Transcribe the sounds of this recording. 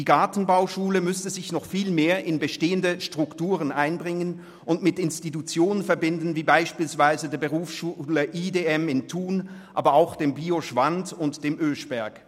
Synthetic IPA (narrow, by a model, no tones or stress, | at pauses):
d̥iːɡaɐtn̩baʊʃuːləmʏstəzɪçnɔχfiːlmeːɐʔɪnbəʃteːəndəʃtʁ̥ʊktuːʁənʔaɪnbʁɪŋən | ʔʊntmɪtɪnstitut͡sjoːnənfɛɐbɪndn̩viːbaɪʃpiːlsv̥aɪzədeːɐbəʁuːfsʃuːləʔiːdeɛmɪntʰuːnʔa̰ːbɐaʊxd̥eːmbiːoʃv̥antʊntd̥eːmʔøːʃb̥ɛɐk